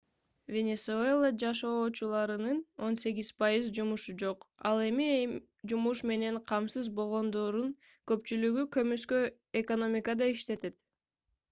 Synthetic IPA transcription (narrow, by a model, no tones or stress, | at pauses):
vʲe̞nʲesuelˠəd͡ʒɑʃo̞ːt͡ʃulˠɑɾɯnɯno̞nse̞ɡʲiz̥pɑjizd͡ʒumuʃud͡ʒo̞qɑ̰lˠe̞mi | d͡ʒumuʃme̞ne̞ɴqʰɑmsɯzbo̞lˠʁo̞nd̪o̞ɾun | kø̞pt͡ʃylyɡykø̞myskø | eko̞no̞mʲikəd̪ɑiʃt̪e̞t̪e̞t̪